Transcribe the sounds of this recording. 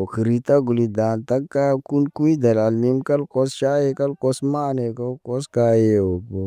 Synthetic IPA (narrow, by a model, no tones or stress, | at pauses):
okʰɾit̪aɡʊlid̪aːnt̪ɐkkːakunkuid̪ɐlaːlmimkɐlkosʃaːekɐlkosmaːnekɐlkoskaːjeoːpo